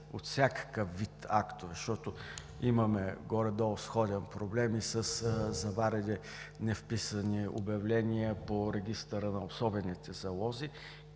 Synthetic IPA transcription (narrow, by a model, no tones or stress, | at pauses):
ot̪sʲakə̥kəfːit̪akt̪ʊvʃt̪ɔt̪ʊ | imɐmɛɡɔɾɛd̪ɔsxɔd̪ʲɛnpɾoblɛmisəszɐvaɾɛd̪ɛ | nɛfpisənio̰bɐvlɛnʲiəpoɾɛɡʲist̪əɾənɐosɔbɛnit̪ɛzɐlˠɔzi